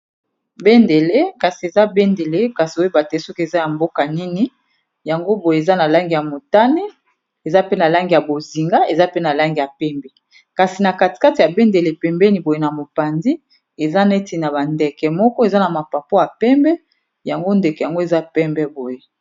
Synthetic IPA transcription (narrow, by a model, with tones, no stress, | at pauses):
be˦nde˨le˦ka˨si˨e˨za˦be˦nde˨le˦ka˨si˨o˦e˦ba˨tɛ˦so˦ke˨za˦ja˨mbo˦ka˨ni˦ni˦ | ja˨ŋɡo˦bo˨je˨e˨za˦na˨la˦ŋɡi˨ja˨mo˨ta˦ne˦ | e˨za˦pe˦na˨la˦ŋɡi˨ja˨bo˨zi˨ŋɡa˦e˨za˦pe˦na˨la˦ŋɡi˨ja˨pɛ˦mbɛ˨ | ka˨si˨na˨ka˨ti̥˨ka˦ti˨ja˨be˦nde˨le˨pɛ˨mbɛ˦ni˨bo˨je˦na˨mo˨pa˨ndi˦ | e˨za˦ne˦ti˨na˨ba˨ndɛ˨kɛ˨mɔ˦kɔ˦e˨za˦na˨ma˨pa˨po˦a˨pɛ˦mbɛ˦ | ja˨ŋɡo˦ndɛ˨kɛ˨ja˨ŋɡo˦e˨za˦pɛ˦mbɛ˦bo˨je˦